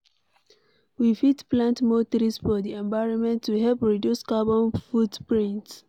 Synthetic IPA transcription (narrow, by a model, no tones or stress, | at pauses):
wifitplãntmotɔɾisfɔdiɛ̃ɱvaɪɹɔ̃nmɛ̃ntːuɦɛlpɹidjuskabɔ̃nfudpɹĩnt